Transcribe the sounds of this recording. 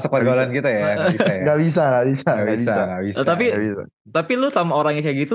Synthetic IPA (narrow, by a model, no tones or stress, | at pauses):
sək̚paɡlankit̪ajabiaɡaʔbis̬aŋɡaʔbisaɡabissaaŋɡaʔbist̪apiabisa̰ | t̪apilusamaoɾaŋjakajaɡit̪u